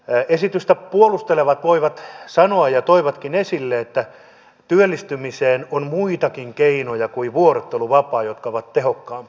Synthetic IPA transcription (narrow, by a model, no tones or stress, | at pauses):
esit̪yst̪æpuolust̪eleʋɑt̪ʋoiʋɑt̪sɑnoɑjjɑt̪oiʋɑt̪kinesilːeet̪ːæ | t̪yølːist̪ymiseːnonmuit̪ɑkiŋkeinojɑkuiʋuoret̪ːeluʋɑpɑːjot̪kɑoʋɑt̪t̪ehokːɑːmp